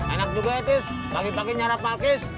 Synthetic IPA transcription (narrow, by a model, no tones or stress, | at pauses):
ɛnak̚d͡ʒuɡaet̪ɪs | paɡipaɡiɲaɾapːakɪs